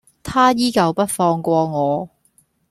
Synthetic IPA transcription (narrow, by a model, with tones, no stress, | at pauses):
t̪ʰaː˥jiː˥kɐ˨˧wpɐ˥t̚fɔː˧ŋkʷɔː˧ŋɔː˨˧